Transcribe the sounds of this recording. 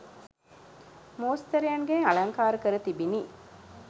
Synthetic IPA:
moːst̪ɐɾejɐŋɡeɐɭɐŋkaːɾəkəɾət̪ibiniː

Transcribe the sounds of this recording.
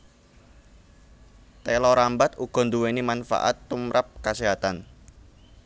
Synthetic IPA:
t̪elɔɾambat̪uɡ̥ɔ̤nd̪uwenimanfa̰ʔa̰t̪ːumɾʔap̚kaseɦat̪an

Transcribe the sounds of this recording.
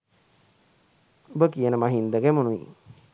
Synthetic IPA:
ubəkijənəmaɦind̪əɡæmunuʋḭ

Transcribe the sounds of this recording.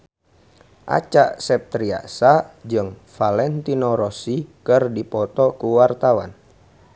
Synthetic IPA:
ʔa̰t͡ʃaʔsɛp̚t̪ɾia̰sad͡ʒɨŋfalɛnt̪inoɾɔsikɨrdipɔt̪ɔkuwart̪awan

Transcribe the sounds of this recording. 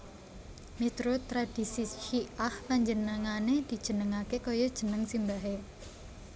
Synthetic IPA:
mit̪ɾot̪ɾad̥isiʃiahpaɲd͡ʒənəŋaned̪̥i̤̥ʒ̥ə̤nəŋakekojɔd̥ʒ̥ə̤nəŋsimbaɦe

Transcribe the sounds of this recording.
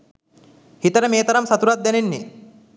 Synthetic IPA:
hit̪ɐɾɐmeːt̪ɐɾɐmsɐt̪uɾɐt̪̚d̪ɛnenːi

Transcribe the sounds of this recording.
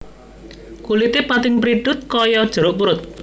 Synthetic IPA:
kulit̪epat̪ɪŋpɾid̥ʊt̪̚kɔjɔd̥ʒ̥ə̤ɾʊʔmuɾʊt̪̚

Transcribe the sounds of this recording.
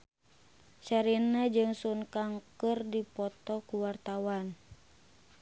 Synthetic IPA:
t͡ʃaɾinad͡ʒɨŋsunkaŋkɨrdipɔt̪ɔkuwart̪awan

